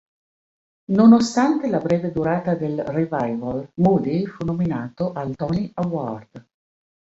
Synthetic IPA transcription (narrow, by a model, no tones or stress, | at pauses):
nonost̪ant̪elabɾɛːved̪uɾaːt̪ad̪elrevajvalmud̪ifunominaːt̪oʔalt̪ɔːniaward̪̥